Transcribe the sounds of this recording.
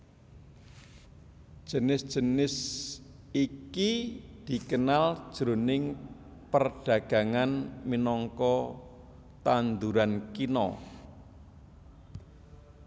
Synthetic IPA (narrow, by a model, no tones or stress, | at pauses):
ʒ̥ə̤nɪsd̥ʒ̥ə̤nɪs | ikid̪̥i̤kənal̥ʒ̥ɾonɪŋ | pərɖ̥ä̤ɡ̥ä̤ŋanminɔŋkɔ | t̪and̪uɾankinɔ̰